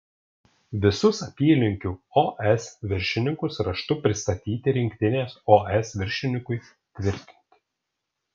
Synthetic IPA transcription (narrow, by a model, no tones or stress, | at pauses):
ʋʲɪsʊsɐpʲiːlʲɪŋʲkʲuoʔɛsʋʲɪɾʲʃʲɪnʲɪŋkʊsɾɐʃt̪ʊpʲɾʲɪst̪ɐt̪ʲiːt̪ʲɪɾʲɪŋʲkt̪ʲɪnʲeːsoːʔɛsʋʲɪɾʲʃʲɪnʲɪkʊɪ | t̪ʲʋʲɪɾʲt̪ʲɪ̥nʲt̪ʲɪ̥